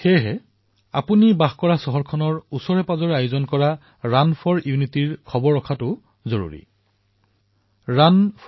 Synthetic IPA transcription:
xɛɦɛ | a̰punibaxkɔɹasɔɦɔɹkʰɔnɔɹusɔɹɛpazɔɹajʊzɔnkɔɹa | ɹanpʰɔɹiʊnitiɹkʰɔbɔɹɔkʰatʊ | zoɹṵɹḭ | ɹanp

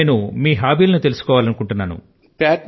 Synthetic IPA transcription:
numiːɦaːbiːlɐnut̪e̞lusu̥kɔːʋaːlɐnukuɳʈunːaːnṵ | paːʈ

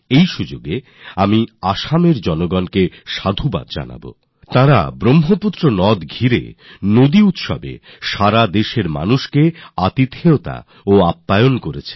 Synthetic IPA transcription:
ejʃud͡ʑoɡe | amiaʃameɾd͡ʑɔnoɡɔnkeʃad̪ʱuba̰d̪d͡ʑa̰na̰bo̰ | t̪ãɾa̰bɾomɦoput̪ːɾonɔd̪ɡʱiɾḛnod̪iut̪ʃɔ̰bḛ | ʃaɾad̪eʃeɾma̰nuʃkeat̪it̪eot̪a̰ | oapːajonkoɾḛt͡ɕʰe̥

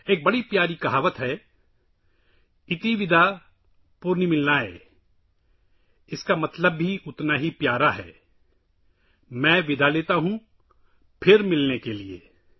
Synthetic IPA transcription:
eːk̚bɐɽipjaːɾikɐɦaːʋət̪ɦɛ | ɪt̪iʋɪd̪ʱa | pʊɾnimɪlnaɦɛ̰ː | ɪskamɐt̪ləbːiʊt̪naɦipjaːɾaɦɛ̰ː | mɛ̃ːʋɪd̪ʱaleːt̪aɦũ | pʰɪɾmɪlnekeliḛː

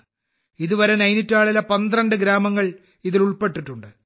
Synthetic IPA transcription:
iðuʋɐɾenɐjnitːaːɭilɐpɐnd̪rɐɳɖɨɡɾaːmɐŋːɐɭ | iðiluɭpe̞ʈːiʈːuɳɖɨ

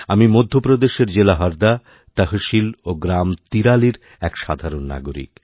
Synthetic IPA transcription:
amimod̪ʱːopɾod̪eʃeɾd͡ʑelaɦɔɾd̪a | t̪aɦoʃiloɡɾamt̪iɾaliɾ | ɛkʃad̪ʱaɾonːa̰ɡoɾḭk

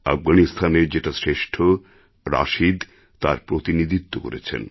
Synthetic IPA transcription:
a̰fɡanist̪ʰaneɾd͡ʑeʈasɾeʃʈʰo | ɾa̰ʃid̪ | t̪a̰ɾpɾot̪inid̪ʱit̪ːoko̰ɾḛt͡ɕʰḛn

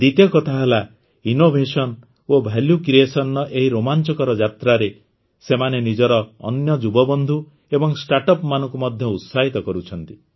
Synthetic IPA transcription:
d̪it̪jɔkɔt̪ʰaɦela | inobʱesɔn | obʱeljukɾiesɔnːɔʔeɦiɾomant͡ʃɔkɔɾɔd͡ʒat̪ɾaɾe | semanenid͡ʒɔɾɔ̰ːnjɔd͡ʒubɔbɔnd̪ʱu | ebɔŋsʈaʈɔpmanɔ̃ŋkumɔd̪ʱjɔut̪saɦit̪ɔkɔɾut͡ʃʰɔn̪t̪i

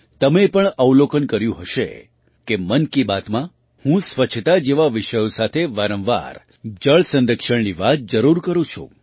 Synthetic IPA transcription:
t̪əmepəɳəwlokənkəɾjũɦəʃḛ | kemənkibat̪mã | hũsʋət͡ʃʰt̪ad͡ʒeʋaʋɪʃəjõsat̪ʰeʋaɾə̃mʋa̰ɾ | d͡ʒəɭsə̃nɾəkʃəɳniʋat̪̚d͡ʒəɾuɾkəɾũt͡ʃʰṵ̃

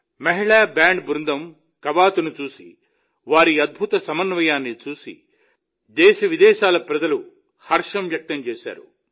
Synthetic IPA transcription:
mɐɦiɭaːbaːɳɖbɾund̪ɐm | kɐbaːt̪unut͡ʃuːsḭ | ʋaːɾiɐd̪̚bʱut̪ɐsɐmɐnʋɐjaːnːit͡ʃuːsḭ | d̪ɛːʃɐʋid̪ɛːʃaːlɐpɾɐd͡ʒɐlu | hɐɾʂɐmʋjɐk̚t̪ɐmt͡ʃɛːʃa̰ːɾu

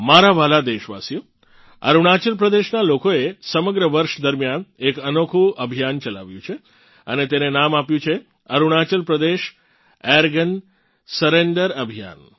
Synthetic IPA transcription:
maɾaʋalad̪eʃʋa̰sijo | ə̰ɾuɳ̃at͡ʃəlpɾəd̪eʃnalokoesəməɡɾəʋəɾʃd̪əɾmjanekənokʰuəbʱijant͡ʃəla̰ʋjũt͡ʃʰe | ənet̪enenamapjũt͡ʃʰe | əɾuɳ̃at͡ʃəlpɾəd̪eʃ | ɛəɾɡən | səɾeɳɖəɾəbʱija̰n

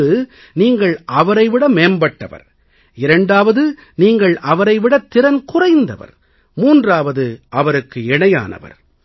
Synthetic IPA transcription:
ɯ | niːŋɡɐɭʔɐʋɐɾɐɪʋɪɽɐmeːmbɐʈːɐ̰ʋɐ̰ɾ | ɪɾɐɳɖaːʋɐðɯ | niːŋɡɐɭɐʋɐɾɐɪʋɪɽɐt̪ːɪɾɐnkʊrɐɪnd̪ɐ̰ʋɐ̰ɾ | muːndraːʋɐðɯʔɐʋɐɾɯkːɯɛɳɐja̰ːnɐ̰ʋɐ̰ɾ

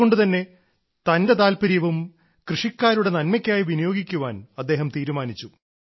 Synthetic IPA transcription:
o̞ɳɖɨt̪ɐnːe̞ | t̪ɐnde̞t̪aːlpɐɾijɐʋum | krɨʂikːaːɾuɽe̞nɐnmɐkʲːaːjiʋinijo̞ːɡikʲːuʋaːnɐd̪ːe̞ːɦɐmt̪iːɾumaːnit͡ɕːu

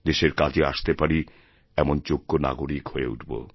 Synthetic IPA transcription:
d̪eʃeɾkad͡ʑea̰ʃt̪epaɾi | ɛmont͡ɕoɡːona̰ɡoɾikhoeṵʈʰbo̰

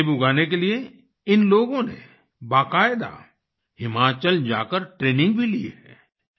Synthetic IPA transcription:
bʊɡʱaːnek̬elie | ɪnloːɡõnḛ | baːkaːɪd̪a̰ | hɪmaːt͡ʃəld͡ʒa̰ːkəɾʈɾeːnɪ̃ŋɡbʱilieɦɛ̰ː

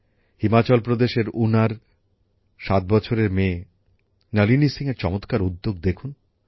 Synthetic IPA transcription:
himat͡ɕɔlpɾod̪eʃeɾunaɾ | ʃat̪̚bɔt͡ɕʰoɾeɾmeː | nɛlinisiŋeɾt͡ɕɔmot̪kaɾud̪ːoɡ̚d̪ekʰun

